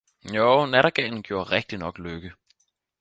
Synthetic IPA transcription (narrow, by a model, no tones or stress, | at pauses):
joʊnæɾɐɡ̥ɛːn̩ɡ̥jo̝ːɐʁeɡ̥d̥inɒ̽ɡ̥løɡ̥ə